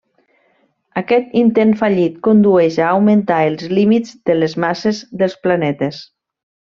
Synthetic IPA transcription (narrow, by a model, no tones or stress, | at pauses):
akɛt̪int̪enfaʎit̪kond̪uɛʃaːwment̪aelˠzlimizd̪əlezmasezðəlˠsplanɛt̪es